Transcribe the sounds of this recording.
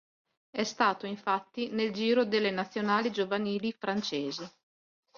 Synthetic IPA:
ɛst̪aːt̪oiɱfat̪ːineld͡ʒiːɾod̪elːenat̪sːjonaːlid͡ʒovaniːlifɾant͡ʃeːzi

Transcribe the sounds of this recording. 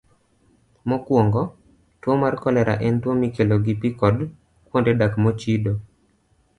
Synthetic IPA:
mɔkwɔŋɡɔ | twomarkɔlɛɾa̰ʔɛntwomikeloɡɪpikɔd | kwondedakmɔt͡ʃido

